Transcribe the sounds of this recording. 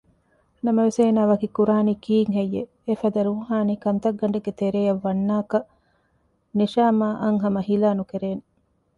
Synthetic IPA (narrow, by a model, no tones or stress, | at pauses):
nɐmɐʋeseːnaːʋɐkikuɾaːniːkiːŋɦejːeː | fɐd̪ɐɾuːɦaːniːkɐnt̪ɐɡːɐɳɖeɡet̪eɾeːjɐʋːɐnːaːkɐ | niʃaːmaːʔɐŋɦɐmɐɦilaːnukeɾeːne